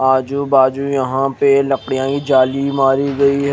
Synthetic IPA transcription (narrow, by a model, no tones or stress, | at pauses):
aːd͡ʒubaːd͡ʒujɐɦãpelɐkɽijãkid͡ʒaːlimaːɾiɡɐiɦ